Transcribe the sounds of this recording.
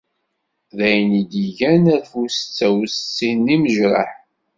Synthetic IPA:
ðæjnid̪iʝænæɾfusət͡sːæwst͡sːinːiməʒɾˤə̰ħ

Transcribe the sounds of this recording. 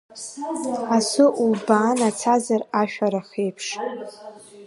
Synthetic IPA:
asʷʊʔulbaːnat͡sʰazaraʃᶣaɾaχejpʰʂʼ

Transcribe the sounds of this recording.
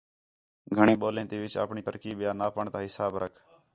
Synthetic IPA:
ɡʱəɳ̃ẽːɓoːlẽːt̪iːʋɪt͡ʃə̰ːpɳiːt̪əɾkiːɓjaːnaːpəɳt̪ãːɦɪsaːbɾʔə̰kʰ

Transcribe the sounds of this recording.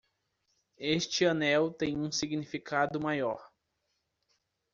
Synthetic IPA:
est͡ʃɪɐnɛwt̪ẽj̃ũsiɡnifikʰad̪ʊmajɔɾ

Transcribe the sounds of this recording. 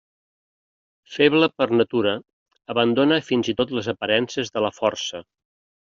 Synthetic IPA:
feβləpəɾnət̪uɾəː | βənd̪onəfinzit̪ot̪ləzəpəɾɛnsəzðələfɔrsə

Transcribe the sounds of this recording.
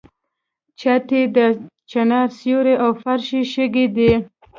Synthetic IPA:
t͡ʃat̪ed̪ə | t͡ʃanɑɾsjoɾeʔawfaɾʃiʃəɡid̪e

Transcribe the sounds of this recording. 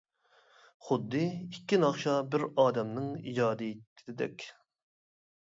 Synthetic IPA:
χʊd̪ːɨikʲːinɑχʃɑbɪɾɑːd̪ɛmnɨŋid͡ʒɑːd̪ɨt̪ʰd̪ɪd̪ɛ̰kʲ

